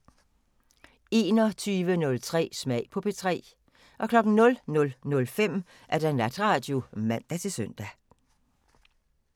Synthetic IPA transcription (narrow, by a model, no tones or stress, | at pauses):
e̝̰ːnɒt͡sʰyːʋənɔ̽lt͡sʰʁɛ̰ːsmɛɪ̰pʰɒ̽pʰe̝t͡sʰʁɛ̰ː | ʔɒ̽kʰlɒ̽ɡ̥n̩nɔ̽lnɔ̽lnɔ̽lfem̰ | ʔæɐd̥ænlæd̥ʁɑ̈d̥jomæn̰d̥æt͡sʰe̝sœn̰d̥æ